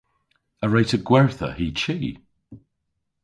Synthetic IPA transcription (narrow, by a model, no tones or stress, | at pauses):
əɹeɪtəvɡwɛɹθə̰hiːt͡ʃʰiː